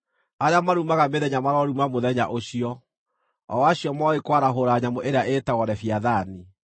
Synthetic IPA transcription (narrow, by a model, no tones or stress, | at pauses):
aɾeamaɾumaɣameðɛɲamaɾɔɾumamoðɛɲa̰ʔoɕiɔ | ɔ̰waɕiɔmaɔekwaɾaɦoɾaɲamoʔeɾeaʔeːtaɣɔɾɛfiaðani